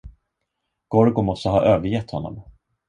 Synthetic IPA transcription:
ɡ̥ɔɾɡʊmɔst̪əɦɑ̰ːʔøːvəɾjɛt̪hɔnːɔ̰m

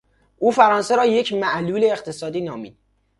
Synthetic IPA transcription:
ʔuːfæɾɒːnseɾɒːje̞cʰmæʔluːleːχt̪ʰesɒːd̪iːnɒːmiːd̪̥

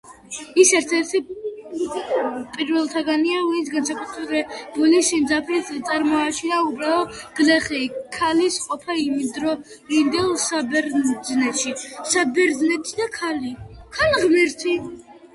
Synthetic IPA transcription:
isɛɾt̪sʰɛɾt̪ʰi | pʼiɾvɛlˠt̪ʰaɡaniauisɡansakʼut̪ʰɾɛbɛb̥ulisimd̪zapʰɾit̪sʼaɾmɔat͡ʃʰinaubɾaɔɡ̥lɛχɛkʰalisqʼɔpʰaimid̪ɾɔ | ind̪ɛlˠsabɛɾznɛt̪ʃisabɛɾd̪znɛt̪ʰid̪akʰalikʰalʁmiɾt̪ʰi

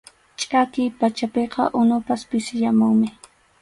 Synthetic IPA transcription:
t͡ʃʼakɪjpat͡ʃapeqɑ̰ʔʊnʊpaspɪsɪʎamʊŋmɪ

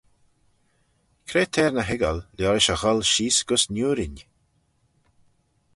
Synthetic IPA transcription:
kʰɾeːt̪ʰɛːɹnəɦɪɡə̰lljɔɾɪʃəɣɔlʃiːsɡ̥ʊsnuːɾɪnʲ

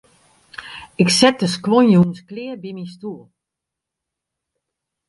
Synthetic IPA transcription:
ɪksɛt̚dəskʋonjuənsklɪəbimistuːəlˠ

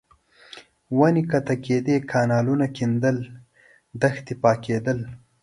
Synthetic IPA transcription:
wanikat̪aked̪ekʰɑːnɑːlunakind̪əl | d̪axt̪ipɑːked̪əl

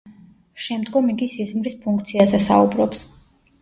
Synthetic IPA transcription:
ʃɛmd̪ɡɔmiɡisizmɾispʰuŋkʰt̪sʰiazɛsa̰ubɾɔps

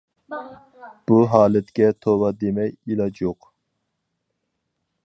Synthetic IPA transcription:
b̥uɦɑːlɛt̪kʲɛt̪ʰowɑd̪emɛjilɑd͡ʒoq

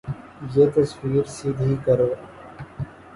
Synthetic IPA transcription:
jeːt̪ɐswiːɾsiːnəɦĩkɐɾoː

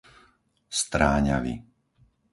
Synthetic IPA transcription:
st̪ɾaːɲa̰ʋḭ

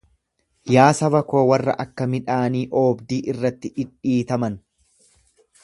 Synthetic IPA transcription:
jaːsɐbɐko̞ːwɐrːɐ̰ʔɐkːɐmɪᶑaːniːʔo̞ːbd̪iːʔɪrːɐt̪ːɪᶑɪᶑiːt̪ɐmɐn

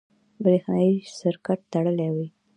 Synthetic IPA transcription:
bɾexnajisɪɾkaʈ̚t̪aɽəlewij

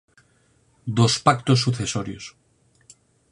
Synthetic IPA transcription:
d̪ospak̚t̪os̬ːuθesoɾjo̰s

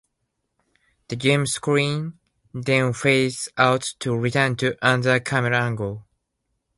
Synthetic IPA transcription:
ðɨd͡ʒɪ̃mskɹĩn | dɛ̃nfeɪsaʊtʰːuɹitʰɜ̃˞ntʰɨʔãndə˞kʰaməɹãŋɡəlˠ

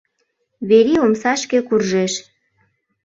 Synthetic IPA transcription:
βeɾiomsɑʃkĕkurʒeʃ

